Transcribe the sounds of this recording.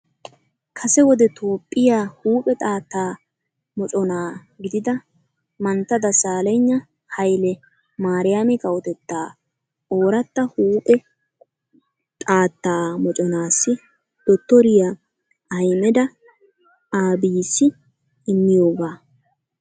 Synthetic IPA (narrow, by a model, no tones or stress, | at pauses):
kʰɐsɛwɔd̪ɛt̪uːpʼːɪjaːhuːpʼɛt̪ʼaːt̪ːaː | mɔt͡ʃʼɔnaː | ɡɪd̪ɪd̪ɐ | mɐnt̪ːɐd̪ɐsaːlɛɲːɐ | hɐjlɛ | maːɾɪjamɪkɐwɔt̪ɛt̪ːaː | oːɾɐt̪ːɐhuːpʼɛ | t̪ʼaːt̪ːaːmɔt͡ʃʼɔnaːsːɪ | d̪̥ɔt̪ːɔɾɪja | ʔɐjmɛd̪ɐ | aːbiːsːɪ | ɪmːɪjo̞ːɡaː